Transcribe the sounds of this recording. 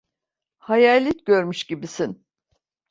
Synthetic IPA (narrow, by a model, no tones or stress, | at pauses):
hajaːlʲit̪ɟøɾmyʃɟibisin